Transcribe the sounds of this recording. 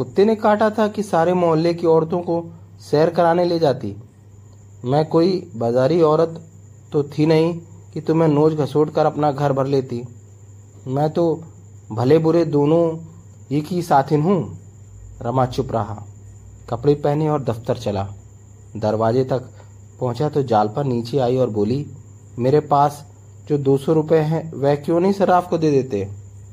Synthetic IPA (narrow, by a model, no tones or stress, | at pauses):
kʊt̪ːenekaːʈat̪ʰakisaːɾemɔːɦəlːekiɔːɾt̪õko | sɛːɾkɐɾaːneled͡ʒaːt̪ḭ | mɛ̃ːkoːibaːzaːɾiɔːɾət̪ː | ot̪ʰinɐɦĩkit̪ʊmẽnoːd͡ʒɡʱɐsoːɽkəɾɐpnaɡʱɐɾbʱɐɾleːt̪i | mɛ̃ːt̪o | bʱɐlebʊɾed̪oːnõ | iːkisaːt̪ʰɪnɦũ | ɾɐmat͡ʃʊpɾɐɦa̰ː | kɐpɽipɛɦneɔːɾd̪ɐft̪əɾt͡ʃɐlaː | d̪ɐɾʋaːd͡ʒet̪ɐk | pɐ̃ɦʊ̃t͡ʃat̪od͡ʒaːlpəɾniːt͡ʃeaːiɔːɾboːli | meːɾepaːs | d͡ʒoːd̪oːsõɾʊpeɦɛ̃ʋɛkjõnɐɦĩsɐɾaːfkod̪eːd̪eːt̪e